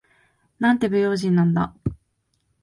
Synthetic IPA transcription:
nãnt̪e̞bɯjo̞ːʑĩnːãnd̪a̰

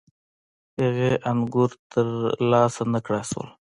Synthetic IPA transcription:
eɣeʔanɡuɾt̪əɾlɑːsanəkɽaswə̰l

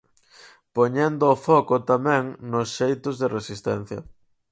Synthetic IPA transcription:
poɲend̪ʊːfɔkʊt̪amɛ̃ŋnʊsʃejt̪ʊzðeresist̪ɛ̰n̟θjɐ̰

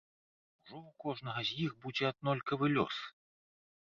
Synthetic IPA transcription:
uʐɔwkɔʐnɐɣɐzʲjixbud͡zʲɛɐd̪nɔlʲkɐvɨlʲɔ̰s

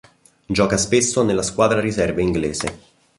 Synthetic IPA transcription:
d͡ʒɔːkaspesːonelːaskwaːd̪ɾaɾizɛrveiŋɡleːzḛ

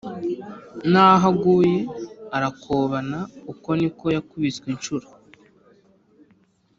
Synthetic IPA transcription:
naːɦaɡuːje̞aɾakʰoːβanauko̞niko̞jakuβit͡swint͡ʃuɾa

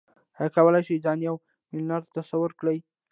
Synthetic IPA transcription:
hakawəlajʃizɑnjaw | mɪlnaɾt̪t̪asawʊɾkɽəj

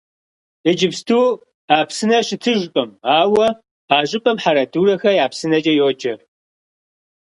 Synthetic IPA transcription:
ɨd͡ʒɪpstʰuː | aːpsɨnɐɕɪtʰɨʒʷqʼɐmaːwɐ | aːʑɪpʼɐmħaɾɐduːɾɐxɐjaːpsɨnɐd͡ʒɐjoːd͡ʒʼɐr

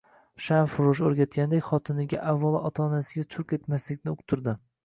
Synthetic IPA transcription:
ʃanfʊɾʊʃoɾɡʲat̪̚ɡʲand̪ekʲχɒt̪ʰɪnɪɡʲa̰ʔavːalˠʔɒt̪ʰaːnasɪɡʲat͡ʃʰʊqe̞t̪maslɪk̚ʲnɪʊqt̪ʰʊɾd̪ɪ

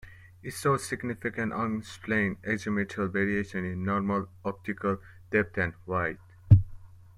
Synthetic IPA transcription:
isosɪɡnɪfikə̃nʌ̃nsplẽɪ̃neɡd͡ʒemiʈʰəlveɾieʃə̃nĩnːɔɾməlɔp̚tikəl | d̥ɛp̚tʰæ̃nwaɪt̚

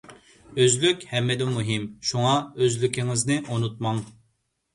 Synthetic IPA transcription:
øzlykʲhɛmːɪd̪ɪmuɦimʃuŋɑøzlykʲɪŋɪznɪʔonut̪̚mɑŋ

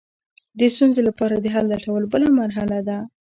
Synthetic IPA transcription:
d̪əst̪unzelapɑɾad̪əɦalːaʈawəlobəlamaɾɦalad̪a

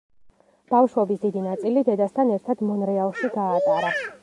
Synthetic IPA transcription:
b̥afʃwɛbisd̪id̪inat̪sʼilid̪ɛd̪ast̪ʰanɛɾt̪ʰad̪mɔnɾɛalˠʃiɡaːt̪ʼaɾa

